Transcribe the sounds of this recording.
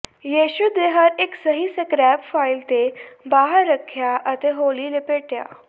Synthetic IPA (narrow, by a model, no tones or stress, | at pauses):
jeːʃud̪eɦəɾeksəɦisəkɾɛːpfaːilt̪ebaːɦəɾːəkʰːjaʔət̪eɦoːlilepeːʈja̰ː